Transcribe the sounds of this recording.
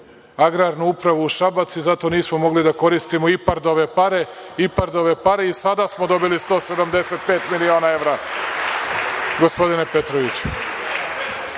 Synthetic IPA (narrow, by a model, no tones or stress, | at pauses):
aɡɾaːɾnuupɾaʋuːʃabat̪sizat̪o̞niːsmomo̞ɡlid̪ako̞ɾist̪imoipaɾd̪oʋe̞paɾe̞ | ipaɾd̪o̞ʋe̞paɾe̞isad̪asmod̪o̞bilist̪o̞ːse̞d̪amd̪e̞set̪̚pe̞ːt̪milio̞ːnae̞ʋɾa | ɡospo̞d̪ine̞pe̞t̪ɾoʋit͡ɕu̥